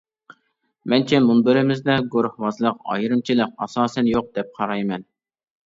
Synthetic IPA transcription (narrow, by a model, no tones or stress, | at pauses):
mɛnt͡ʃʰɛmunbɪɾɪmɪzd̪ɛɡoɾhwɑzlˠəqɑ̰jɾɨmt͡ʃʰilˠəq̚ɑ̰sɑːsɛnjoq̚d̪̥ɛp̚qʰɑɾɑjmɛn